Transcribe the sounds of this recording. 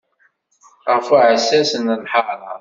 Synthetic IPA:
ʁəfuʕəsːæsənəlħɑɾɑ̰

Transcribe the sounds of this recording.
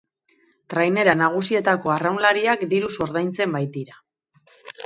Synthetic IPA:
t̪ɾajne̞ɾanaɣ̞usie̞t̪ako̞arawnlaɾiakd̪iɾuso̞ɾðajnt͡se̞mbajt̪iɾa

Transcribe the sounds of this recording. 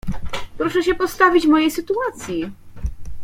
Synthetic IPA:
pɾɔʂɛɕɛpɔst̪avʲit͡ɕvmɔjejsɘt̪uat̪sʲji

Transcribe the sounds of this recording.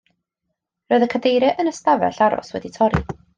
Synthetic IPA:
rɔɨðəkʰədejɾɛʔənəstavɛ̰ɬaɾɔ̰swɛditʰɔɾi

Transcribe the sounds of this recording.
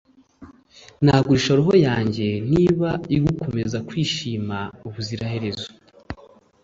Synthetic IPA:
nhaːɡuɾiʃoɾoɦo̞jaːɲɟe̞niβaiɡukʰo̞me̞zakwiːʃiːmauβuziɾahe̞ɾe̞zo

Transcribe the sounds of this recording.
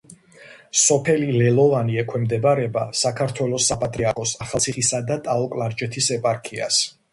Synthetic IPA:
sɔpʰɛlilɛlˠɔvaniɛkʰwɛmd̪ɛbaɾɛbasakʰaɾt̪ʰwɛlˠɔsːapʼat̪ʼɾiaɾkʰɔsaχalˠt̪sʰiχisad̪at̪ʼaɔkʼlˠaɾd͡ʒɛt̪ʰisɛpʼaɾkʰia̰s

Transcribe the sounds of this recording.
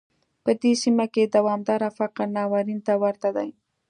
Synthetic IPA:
pəd̪esimaked̪awɑmd̪ɑɾafaqɾnɑwaɾint̪awəɾt̪ad̪aj

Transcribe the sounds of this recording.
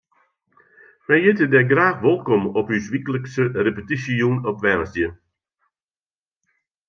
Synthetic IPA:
mɛjjɪtədɛɡraːxʋɔlˠkɔmɔpysʋikələksərepətisiunɔpʋɛrsdjə

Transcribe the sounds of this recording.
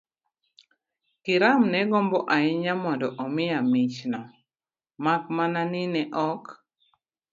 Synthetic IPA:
kɪɾamnɛɡɔmbɔʔaɪɲamɔndɔʔɔmɪamit͡ʃna | makmananɪnɛʔɔk

